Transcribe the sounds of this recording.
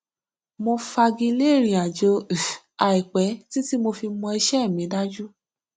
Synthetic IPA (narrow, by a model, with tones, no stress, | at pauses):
mõ˧fa˧ɡi˧le˦˨ɾ̃ĩ˨a˨d͡ʒo˧˨ | a˨i˨k͡pɛ˨˦ti˦ti˦mo˧fi˧mɔ̃˧i˧ʃɛ˦˨mĩ˨˦da˦d͡ʒu˦